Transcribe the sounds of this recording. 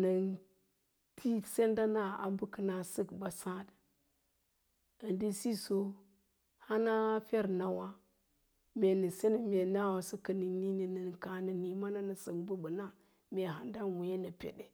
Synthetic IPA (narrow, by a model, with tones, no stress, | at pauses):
nə˨n | tʰi˦se˦nda˦na˦a̰˨bu˦kə˨na˨sə˦kba˨sa˦d | ə˨ndi˦si˦so˦ | ha˦na˦fe˦ɾna˨wa˦ | mʲe˨nə˨se˦n˦mʲe˨na˦wa˨sə˦kə˨ni˨ni˦ni˨nə˨n˨ka˨nə˨ni˨ma˦na˦nə˨sə˨kbu˦bə˨na˦ | mʲe˨ɦa˨nda˦nwu˨je˦nə˨pʲḛ˨de˨